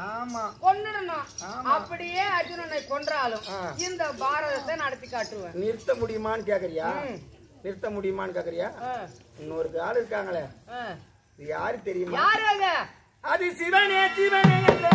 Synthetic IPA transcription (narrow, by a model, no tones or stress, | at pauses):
aːmaːkɔnːɐɽɐnãːmɐpːɐɽɪjeːɐd͡ʒʊnɐnɐɪkɔɳɖɾaːlɯ̃mːɪnd̪ɐbaːɾɐðɐt̪ːenɐɽɐt̪ːikːaːʈːɾɯʋẽːnɪɾɯt̪ːɐmʊɽɪjɯmaːnɯkeːkːɐɾɪjaː | nɪɾɯt̪ːɐmʊɽɪjɐmaːnɯkeːkːɪɾɪjaːɪnːɔɾɯkːɯaːlɪɾɯk̬ːaːŋɡɐɭɛ | ɐðɯjaːɾɯt̪ɛɾɪjɯmajaːɾaːɣɐ | ɐðɯsɪʋeːneːsiʋeːneːŋɐ